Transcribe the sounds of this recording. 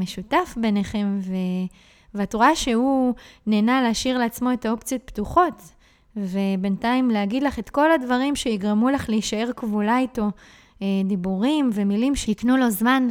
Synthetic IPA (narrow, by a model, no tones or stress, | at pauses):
meʃutafbe̞neχe̞mve | veatuʁaʃe̞huneːnaleːʃiʁleat͡smo̞etao̞pt͡sijo̞t̪̚ptuχo̞t | ve̞be̞ntaimleaɡid̪laχe̞tko̞ladvaʁimʃeiɡʁemulaχleiʃae̞ʁkvolajto̞ | edibuʁimve̞milimʃeiknulo̞zman